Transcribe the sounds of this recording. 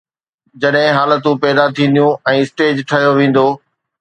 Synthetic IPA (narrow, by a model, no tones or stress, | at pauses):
d͡ʑɐɗɦɪ̃ɦaːlət̪ũpɛɦd̪at̪ʰĩːn̆d̪ijũɛ̃ːɪsʈeːd͡ʑʈʰɐɦjoʋẽːn̆d̪oː